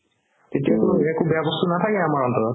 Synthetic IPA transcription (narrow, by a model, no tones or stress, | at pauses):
tetijaɛkubeabɔstunatʰakɛamaɹɔntɔɹɔt